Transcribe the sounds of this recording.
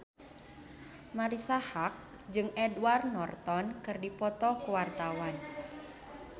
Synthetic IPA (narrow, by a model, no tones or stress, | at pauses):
maɾisahak̚d͡ʒɨŋɛdwarnɔrt̪ɔnkɨrdipɔt̪ɔkuwart̪awan